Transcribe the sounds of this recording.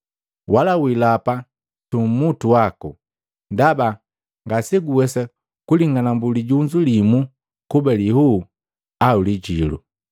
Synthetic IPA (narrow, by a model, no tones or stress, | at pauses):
walawilapa | tum̩mutuwaku | ndaba | ŋɡasɛɡuwɛsa | kuliŋɡanambuliɟuɲd͡ʒulimu | kubɛlihu | auliɟilṵ